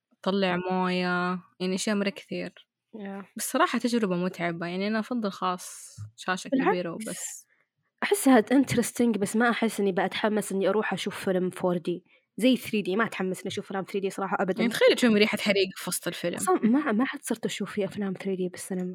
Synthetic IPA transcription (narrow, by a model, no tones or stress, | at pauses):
ʔɑt̪ˤɑlːɪʕmoːjajaʕniʔaʃaʔmɑɾˤɑkɪ̥θiːɾ | basˤːɑɾˤɑːħɑt̪ad͡ʒɾɪbamʊt̪ʕabajaʕniʔanaʔɑfɑðˤːɨlxɑːsˤʃaːʃakabiːɾawbasː | ʔaħɪsːhaːd̪ʔɪnt̪ɾɪst̪ɪŋɡbasːmaʔaħɪsːʔɪnːibaʔat̪ħamːasʔɪnːiʔɑɾˤuːħʔaʃuːfːɪlmfoːɾˤd̪iː | zajːɪθɾiːd̪iːmaʔat̪ħamːasʔɪniʔaʃuːflaːmθɾiːd̪iːsˤɑɾɑːħɑʔabad̪aant̪xajːaʃumɾiːħat̪ħaɾiːɡafɑsˤt̪ˤɪlfɪlmmamaħad̪sˤɨɾt̪ʔaʃuːfiʔaflaːmθɾiːd̪iːbɪsːanam